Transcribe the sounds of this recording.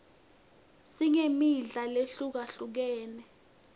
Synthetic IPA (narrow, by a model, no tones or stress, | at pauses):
siŋemiɮaleɬuk̬aɬuk̬ɛːnɛ